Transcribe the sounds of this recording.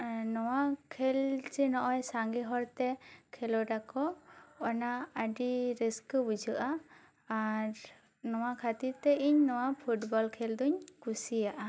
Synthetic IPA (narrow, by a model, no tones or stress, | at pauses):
nɔwakʰɛlt͡ʃɛnɔʔɔjsaŋɡiɦɔɾt̪ɛkʰɛlɔɖakɔɔnaəɖiɾiskbud͡ʒuʔaː | ɾ | nɔwakʰat̪iɾt̪ɛʔiɲnɔwapʰuʈbɔlkʰɛld̪ɔɲkusijaʔa